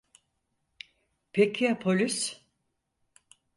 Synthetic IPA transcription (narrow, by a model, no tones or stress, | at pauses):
pʰekʰijapʰolʲys